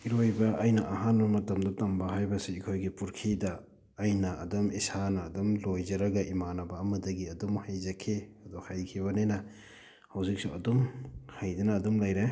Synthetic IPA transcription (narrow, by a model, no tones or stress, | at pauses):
iɾojbɐʔːjnɐʔɐɦanbɐmɐtɐmdɐtɐmbɐɦajbɐsiːkʰojɡipuɾkʰidɐː | jnɐɐ̰dumisanɐːdumlojzɐɾɐɡɐʔimanɐbɐːmɐdɐɡiɐdumhajzɐkʰiɐdɔhajkʰiβɐnenɐ | hawzik̚suɐdumhajdɐnɐːdumlajɾe